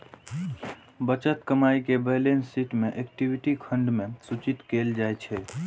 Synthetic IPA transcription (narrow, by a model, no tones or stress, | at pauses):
bət͡ʃət̪kəmaikebəɦlensiʈmeʔekʈibiʈikʰə̃ɳɖmẽsut͡ʃit̪keld͡ʒajt͡ʃʰɛ